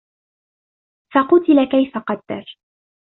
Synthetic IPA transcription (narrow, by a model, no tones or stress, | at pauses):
fɑqʊt̪ɪlakajfaqɑd̪ːɑ̰ɾ